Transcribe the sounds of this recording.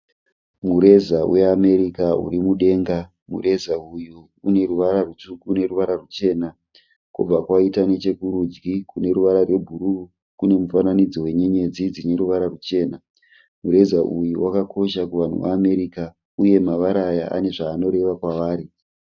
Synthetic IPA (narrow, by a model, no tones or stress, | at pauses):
muɾe̞zawe̞ame̞ɾikaṵɾimuɗe̞ːŋɡa | mṵre̞zauju | une̞ɾuʋaɾaruukune̞ruʋaɾarut͡ʃe̞ːna | kub͡vakwaitane̞t͡ʃe̞kuɾud͡ʒɡikune̞ɾuʋaɾarwe̞bʱuɾu | kune̞mufananid͡zowe̞ɲe̞ɲe̞d͡zid͡zine̞ɾuʋaɾarut͡ʃe̞ːna | muɾe̞zaʔujuwakakʰo̞ʃakuʋan̤ṵʋa̰ːme̞ɾika | uje̞maʋaɾajaa̰ne̞ʐaːno̞ɾe̞ʋakwaʋaːɾi